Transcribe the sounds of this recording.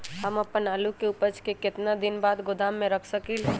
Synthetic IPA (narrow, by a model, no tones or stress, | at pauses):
ɦəməpːənaːlukeupət͡ʃkekɪt̪nad̪inbaːd̪ɡod̪amːẽɾəkʰsəkil